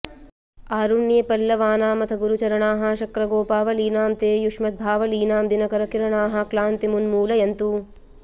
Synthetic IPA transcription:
aːɾuɳːjɐpɐlːɐʋaːnaːmɐt̪ʰɐɡuɾut͡ʃɐɾɐɳaːɦɐ̆ʃɐkɾɐɡoːpaːʋɐliːnaːmt̪eːjuʂmɐt̪̚bʱaːʋɐliːnaːmd̪inɐkɐɾɐkiɾɐɳaːɦɐ̆klaːnt̪imunmuːlɐjɐnt̪u

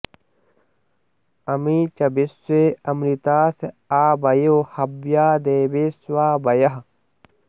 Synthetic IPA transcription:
ɐmiːt͡ʃɐbisweːɐmɾit̪aːse | aːbɐjohɐbjaːd̪eːbeːswaːbɐjɐɦɐ

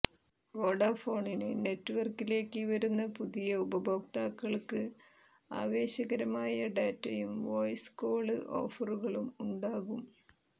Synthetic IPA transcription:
ʋoːɖaːfo̞ːɳinɨne̞tːɨʋɐrkːile̞ːkːɨʋɐɾunːɐpuðijɐubɐbʱo̞ːk̚t̪aːkːɐɭkɨ | a̰ːʋe̞ːɕɐɣɐɾɐmaːjɐɖaːtːɐjumʋo̞jsko̞ːɭɨʔo̞̰ːfɐruɣɐɭumuɳɖaːɣum

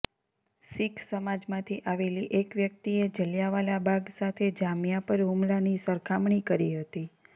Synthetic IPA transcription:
sikʰsəmad͡ʒmãt̪ʰiʔaʋeliʔekʋjək̚t̪ied͡ʒəljaʋalabʱaɡsat̪ʰed͡ʒamjapəɾɦumlanisəɾkʰamɳ̃ikəɾiɦət̪i

